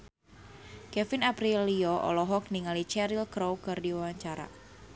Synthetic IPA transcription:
kɛfɪnapɾiliɔʔɔ̰lɔɦɔk̚niŋalit͡ʃɛɾilkɾowkɨrdiwawaɲt͡ʃaɾa̰

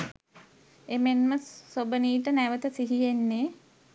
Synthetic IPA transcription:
emenməsobəniːʈənæʋət̪əsiɦijenːe

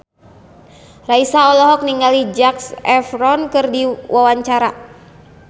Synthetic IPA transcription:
raisaɔlɔɦɔk̚niŋalid͡ʒaksɛfɾɔnkɨrdiwʔawaɲt͡ʃaɾa

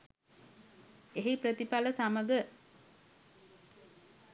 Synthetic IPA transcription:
eɦipɾət̪ipaləsaməɡə

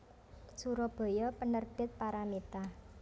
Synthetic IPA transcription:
suɾɔb̥ɔ̤jɔpənərb̥ɪ̤t̪̚paɾamet̪a

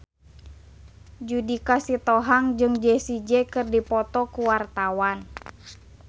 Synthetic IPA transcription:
d͡ʒudikasit̪ɔɦaŋd͡ʒɨŋd͡ʒɛsid͡ʒɛkɨrdipɔt̪ɔkuwart̪awan

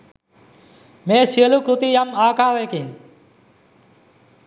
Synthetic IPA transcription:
meːsiəlukut̪ijamaːkaːɾeːkin

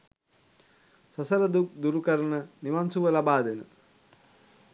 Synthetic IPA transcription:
səsəɾəd̪uk̚d̪uɾukəɾənəniʋansuʋəlabaːd̪enə̰

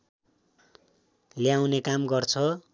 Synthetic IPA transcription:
ljaw̃nekamɡʌrt͡sʰʌ

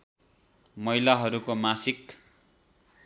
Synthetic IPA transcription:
mʌjlaɦʌɾukomasik̚t̪

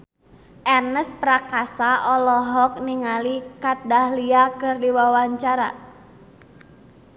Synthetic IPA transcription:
ʔɛnəspɾakasaʔɔlɔɦɔk̚niŋalikat̪̚dahliakɨrdiwawaɲt͡ʃaɾa̰

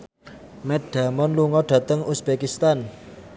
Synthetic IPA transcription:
mɛtd̥a̤mɔnluŋɔɖ̥ä̤t̪əŋusb̥ekist̪an

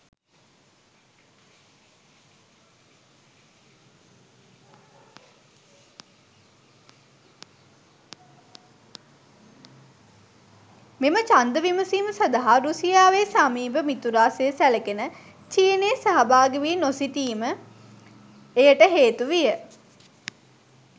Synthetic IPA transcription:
memət͡ʃand̪əʋiməsiːməsɐd̪aɦaɾusijaːʋesamiːbəmit̪uɾaːsejəsæləkenə | t͡ʃiːneːsaɦabaːɡəʋiːnosit̪iːmə | ejəʈəɦeːt̪uʋijə

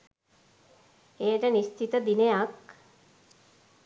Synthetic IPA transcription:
ejəʈənist̪ʰit̪əd̪inejak

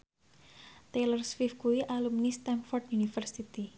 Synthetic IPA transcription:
t̪elərswifkuiʔalumnist̪ɛmfɔrʈjunifərsit̪i

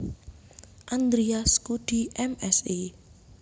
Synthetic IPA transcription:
ʔand̪ɾiaskud̪̥i̤ʔɛmɛsi

